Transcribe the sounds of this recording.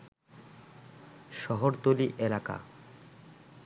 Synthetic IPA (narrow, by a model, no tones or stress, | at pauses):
ʃɔɦoɾt̪oliʔelaka̰